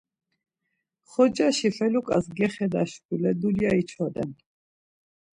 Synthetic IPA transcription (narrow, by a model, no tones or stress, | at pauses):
χɔd͡ʒaʃifɛlukʼasɡɛχɛd̪aʃkʼulɛd̪uljait͡ʃʰɔd̪ɛ̰n